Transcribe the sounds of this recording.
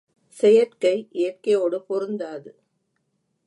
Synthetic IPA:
sɛjɐʈkɐɪʔeːʈkɐjoːɽɯpɔɾɯnd̪aːðɯ

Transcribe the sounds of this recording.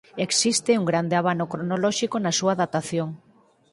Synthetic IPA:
eksist̪euŋɡɾand̪eaβanokɾonolɔʃikonasuaðat̪aθjoŋ

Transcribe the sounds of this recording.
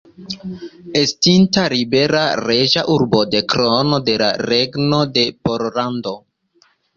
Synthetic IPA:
estintaɾibe̞ɾaɾeʒaʔuɾbo̞de̞kɾono̞de̞la̰ɾeɡno̞de̞poɾlando̞

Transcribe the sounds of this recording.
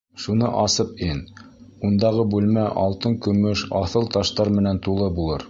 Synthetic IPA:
ʃunɤʔɑsɤpin | und̪ɑʁɤbʉlmæʔɑlˠt̪ɤŋkɵ̆mɵʃɑθɤlˠt̪ɑʃt̪ɑɾmɘ̆nænt̪ulˠɤbulˠɤɾ

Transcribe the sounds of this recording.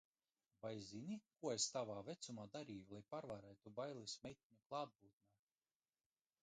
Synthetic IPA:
bajzinʲikuɔest̪avaːvet̪sumaːd̪aɾiːjulˠajpaɾvaɾɛjt̪ubajlˠisʲmʲɛjt̪̚ʲiɲuklˠaːd̪̚buːt̪̚naː

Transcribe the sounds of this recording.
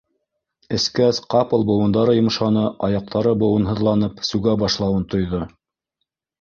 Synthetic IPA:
ɘ̆skæsqɑpɤ̆lˠbŏwɤ̆nd̪ɑɾɤjŏm̆ʃɑnɤʔɑjɑq̚t̪ʰɑɾɤbŏwɤ̆nɦɤ̆ðlˠɑnɤpsʉɡæbɑʃlˠɑwɤnt̪ŏjðo

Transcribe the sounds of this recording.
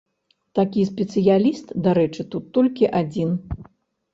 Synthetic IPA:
t̪akʲispʲɛt̪sɨjalʲist̪d̪aɾɛt͡ʂɨt̪ut̪ːɔlʲkʲiʔad͡zʲin

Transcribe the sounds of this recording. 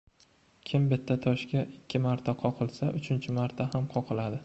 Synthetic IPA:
kʲʰɪmbɪt̪ʰːat̪ʰɒʃkʲaʔɪkʲʰːɪmaɾt̪ʰaqʰɒqʰɨlˠsaʔʊt͡ʃʰɪnt͡ʃʰɪmaɾt̪ʰahamqʰɒqʰɨlad̪ɪ

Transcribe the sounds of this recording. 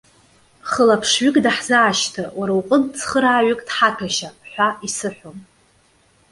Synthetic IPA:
χəlapʰʂɥʏkʼdaħzaaʃtʰawaɾawqʼənt͡sʰχəɾaːɥʏkʼdħatʰaʃaħʷaisɨħʷom

